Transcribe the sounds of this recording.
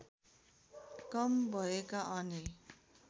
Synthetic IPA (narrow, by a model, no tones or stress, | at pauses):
kʌmbʱʌekaʔʌni